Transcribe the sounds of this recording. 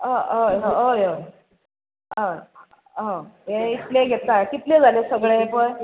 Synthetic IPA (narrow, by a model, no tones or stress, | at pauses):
ɦaoɦãoj | ɦa | ɦãjeit̪leɡʱet̪akit̪led͡zalesəɡɭepəɳ